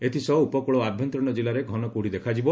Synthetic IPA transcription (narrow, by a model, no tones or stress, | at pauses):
et̪ʰisɔupɔkuɭɔabʱjɔnt̪ɾɔɽ̃ɔd͡ʒilaɾeɡʱɔnɔkuɽ̤id̪ekʰad͡ʒibɔ